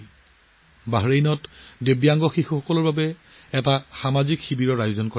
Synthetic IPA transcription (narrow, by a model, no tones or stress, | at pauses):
baɦɹejnɔtdebjaŋɡɔxixɔkɔlɔɹbabɛ | ɛtaxamazikxibiɹɔɹajozɔnko